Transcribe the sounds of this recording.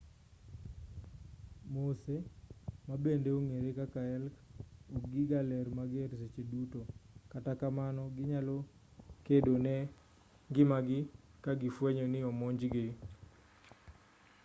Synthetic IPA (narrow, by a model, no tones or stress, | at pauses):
mosemabendeoŋeɾekakaɛlkoɡɪɡalɛɾmaɡɛɾset͡ʃedutokatakamanɔɡɪɲalo | kedonɛ | ɡɪmaɡɪ | kaɡɪfweɲonɪɔmɔɲd͡ʒɡɪ